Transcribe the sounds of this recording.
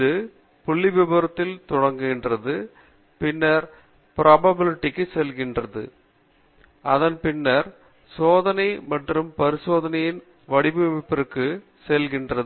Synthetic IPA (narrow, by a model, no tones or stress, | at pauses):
ðɯ | pʊɭːɪʋɪbɐɾɐt̪ːɪlt̪ɔɽɐŋɡɯɪndrɐðɯ | pɪnːɐɾ | pɾʔaːbɐbɪlɪʈːɪkːɯsɛlɣɪndrɐðɯ̰ | ʔɐðɐnpɪnːɐɾ | soːðɐnɐɪmɐʈrɯmpɐɾɪsoːðɐnɐjɪn | ʋɐɽɪbɯmɪpːɪɾɯkːɯ | sɛlɣɪndrɐðɯ